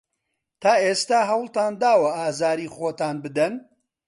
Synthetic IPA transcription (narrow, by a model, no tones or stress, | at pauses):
t̪aːeːst̪aːɦɐwlˠt̪aːnd̪aːwɐaːzaːɾiːχoːt̪aːnbɨd̪ɐn